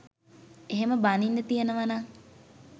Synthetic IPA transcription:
eɦeməbaninːət̪ijenəʋanaŋ

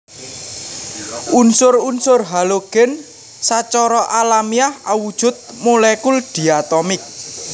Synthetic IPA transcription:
unsʊrunsʊrɦaloɡ̥ɛn | sat͡ʃɔɾɔʔalamiaha̰wud̥ʒ̥ʊ̤t̪̚molɛkulɖ̪̥i̤at̪ɔmɪk̚

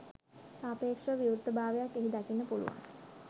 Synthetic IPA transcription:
saːpeːkʂəʋiuɾt̪ːəbʱaːʋejakːeɦid̪akinːəpulṵʋa̰n

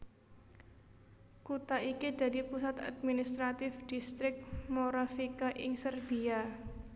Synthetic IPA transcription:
kut̪aikid̪̥ä̤d̪ipusat̪a̰d̪̚minist̪ɾat̪ɪfd̪̥ist̪ɾɪk̚moɾafikaʔɪŋsərb̥ia

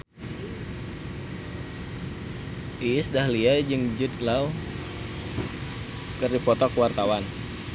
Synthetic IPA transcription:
ʔiisdahliad͡ʒɨŋd͡ʒʊd̪lau | kɨrdipɔt̪ɔkwart̪awan

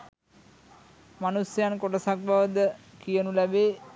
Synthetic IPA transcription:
manusjankoʈəsak̚baʋəd̪əkijənulæbeː

